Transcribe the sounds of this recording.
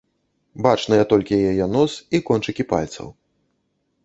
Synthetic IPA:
bat͡ʂnɐjɛt̪ɔlʲkʲijajajɛnɔsikɔnt͡ʂɨkʲipa̰lʲt̪sɐ̰w

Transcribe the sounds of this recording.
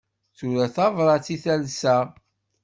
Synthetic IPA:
t͡suɾæθɑvɾˤɑt͡siθælsæ

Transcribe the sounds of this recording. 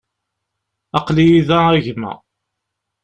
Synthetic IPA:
ɑqlijiðææʝmæ̰

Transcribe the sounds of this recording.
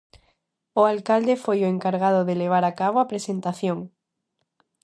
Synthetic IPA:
ʊalkald̪efojoeŋkaɾɣaðʊðeleβ̞aɾakaβ̞oapɾesent̪aθjoŋ

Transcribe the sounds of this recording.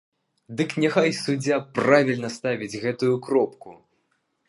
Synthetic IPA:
d̪ɨknʲɛxajsud͡zʲapravʲilʲnɐst̪avʲid͡zʲɣɛt̪ujukɾɔpku

